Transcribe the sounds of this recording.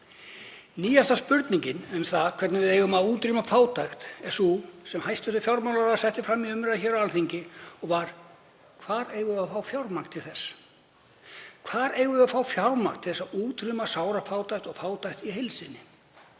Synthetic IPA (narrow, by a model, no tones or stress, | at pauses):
niːjast̪aspʏɾt̪niɲcɪnɛmθaðkʰvɛɾt̪navɪðeːjɣʏmaðuːt̪ɾiːmafaːwt̪ajxt̪ɛsusɛmhajst̪ʏht̪ʏfjawɾmawlaɾasɛht̪ɪfɾamːiʏmɾaçɛːɾaalθiɲcɪɔɣvaɾ̥ | kʰvaɾeːjɣʏafaːwfjawɾmakt̪ʰɪlθɛsː | kʰv̥aɾeːjɣʏafaːwfjawɾmakt̪ʰɪlθɛsauːt̪ɾymasaːwɾafaːwt̪ajxt̪ɔɣfaːwt̪ajxt̪iɦɪlsɪnɪ